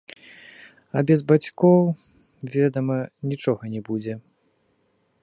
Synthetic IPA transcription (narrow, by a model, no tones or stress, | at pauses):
ɐbʲɛzbat͡sʲkɔw | vʲɛd̪ɐmɐnʲit͡ʂɔɣɐnʲɛbud͡zʲɛ